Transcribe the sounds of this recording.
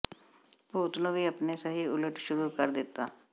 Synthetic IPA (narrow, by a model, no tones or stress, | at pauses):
poːt̪nõːʋiːəpneːsəɦiːʊləʈʃʊɾuːkəɾd̪ɪt̪ːaː